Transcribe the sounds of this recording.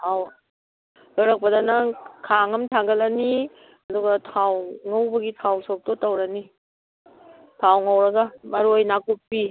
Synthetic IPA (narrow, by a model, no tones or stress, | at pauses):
aw | oɾɐk̚pɐdanɐkʰaŋɐmtʰaŋɡɐlɐni | ɐduɡɐtʰawŋawbɐɡitʰawsok̚tɔtɐwɾɐni | tʰawŋɐwɾɐɡɐmɐɾojnakupːi